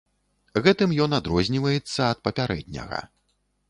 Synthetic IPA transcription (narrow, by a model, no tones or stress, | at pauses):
ɣɛt̪ɨmjɔnad̪ɾɔzʲnʲivɐjɛt̪sːɐːt̪̚pɐpʲaɾɛ̰d̪̚ʲnʲɐ̰ɣɐ̰